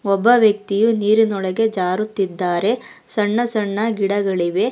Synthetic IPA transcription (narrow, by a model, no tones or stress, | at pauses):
ɔbːɐʋjɐk̚t̪ijuniːɾinɔɭɐɡe̞d͡ʒaːɾut̪ːid̪ːaːɾe̞ | sɐɳːɐsɐɳːɐɡiɽɐɡɐɭiʋe̞